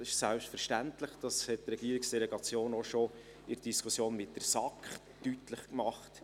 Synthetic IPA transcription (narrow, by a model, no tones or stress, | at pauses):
sɪʃsælpʃtfɛɾʃtæntləχd̥ɑshɛt̚trɛɡ̥iəɾɪksd̥ɛlɛɡɑt͡sjoːnoʃo | ɪɾd̥iskʰusjoːnmɪt̚d̥əɾsɑkχ | tytləχkmɑχt